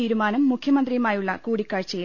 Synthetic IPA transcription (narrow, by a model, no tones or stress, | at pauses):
iːɾumaːnɐmːukʰjɐmɐnd̪rijmaːjuɭːɐkuːɽikːaːɻt͡ɕːɐji